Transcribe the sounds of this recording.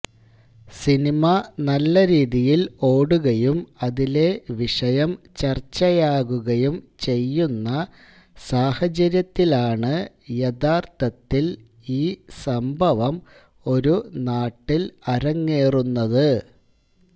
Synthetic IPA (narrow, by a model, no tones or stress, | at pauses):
sinimɐnɐlːɐɾiːðijilo̞ːɽuɣɐjumɐðile̞ʋiʂɐjɐmt͡ɕɐrt͡ɕːɐjaːɣuɣɐjumt͡ɕe̞jːunːɐ | saːhɐt͡ɕɐɾjɐt̪ːilaːɳɨ | jed̪aːrt̪ɐt̪ːil | iːsɐmbʱɐʋɐm | o̞ɾunaːʈːilɐɾɐŋːeːrunːɐðɨ